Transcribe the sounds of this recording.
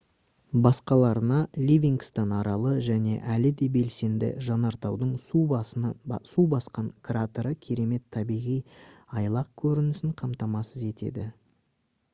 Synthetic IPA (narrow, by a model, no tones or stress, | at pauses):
bɑsqɑlˠɑɾənɑlʲivʲiŋɡst̪ɑnɑɾɑlˠəʒæne̞̰ʔælɪd̪e̞be̞lse̞nd̪ɪ̰ʒɑnɑɾt̪ɑwd̪əɴsu | subɑsqɑŋkrat̪oɾəkʲʰe̞ɾe̞me̞t̪ʰːɑbijʁijɑjlˠɑq̚kʲʰɵɾɪnɪsɪɴqʰɑmt̪ɑmɑsəze̞t̪e̞̰d̪ɪ